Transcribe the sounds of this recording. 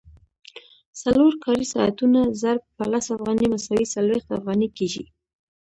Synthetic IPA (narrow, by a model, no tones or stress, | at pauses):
saloɾkʰɑɾisɑa̰t̪unazaɾb̚pəlasafɣɑnimasawisalwext̪afɣɑnikeʒḭ